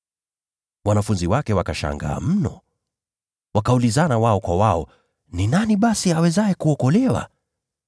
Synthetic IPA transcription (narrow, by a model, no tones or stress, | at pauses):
wanafunziwakɛwakaʃa̰ŋɡa̰ːm̩nɔ̰ | wakaulizanawaɔkwawaɔ | ninaniɓasiawɛzaɛkuɔkɔlɛwa̰